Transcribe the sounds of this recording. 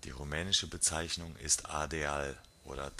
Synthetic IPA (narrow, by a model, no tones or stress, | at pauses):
d̥ḭːʁumɛːnɪʃəbət͡saɪçnʊŋɪ̰stʰa̰ɐdeaːl | ʔo̰ːɾɐd